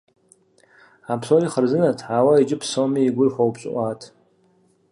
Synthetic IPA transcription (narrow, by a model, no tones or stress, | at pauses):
apʰsoriχərzɨnatʰħawaid͡ʒɪpʰsomiːɡʷʊrħʷawpɕʷʼʔʷatʰ